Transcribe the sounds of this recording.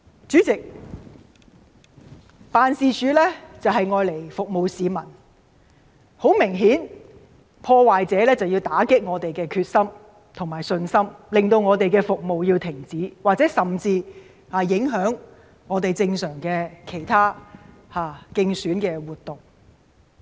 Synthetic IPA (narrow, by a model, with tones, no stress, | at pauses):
t͡ʃyː˨˥t͡sɪ˨k̚ | paː˨˧nsiː˨˧t͡ʃyː˨˥lɛː˥t͡sɐ˨wɦɐ˨jŋɔː˨˧jle˨˩jfʊ˨k̚mo˨wsiː˨mɐ˨˩n | ho˨˥wmɪ˨˩ŋɦiː˨˥n | pʰɔː˧waː˨jt͡sɛː˨˥lɛː˥t͡sɐ˨wjiː˧wt̪aː˨˥kɪ˥k̚ŋɔː˨˧t̪e˨jkɛː˧kʰyː˧t̚sɐ˥m | t̪ʰʊ˨˩ŋmaː˨˩jsɵ˧nsɐ˥mlɪ˨˩ŋt̪o˧wŋɔː˨˧t̪e˨jkɛː˧fʊ˨k̚mo˨wjiː˧wt̪ʰɪ˨˩ŋt͡siː˨˥waː˨k̚t͡sɛ˨˥sɐ˨mt͡siː˧ | haː˨˩jɪ˨˥ŋɦœː˨˥ŋː | ɔː˨˧t̪e˨jt͡sɪ˧ŋsœː˨˩ŋkɛː˧kʰe˨˩jt̪ʰaː˥ | haː˨˧kɪ˧ŋsyː˨˥nkɛː˧wuː˨t̪ʊ˨˩ŋ